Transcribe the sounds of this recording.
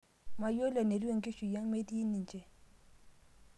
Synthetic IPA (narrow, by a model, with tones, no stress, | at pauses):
ma˨jo˥˨la˩˨ne˩˨wø˥˨ŋɡe˩˨ɕu˩˨ja˩˨ŋme˩˨t̪i˥˨ni˥˨nt͡ɕe˩˨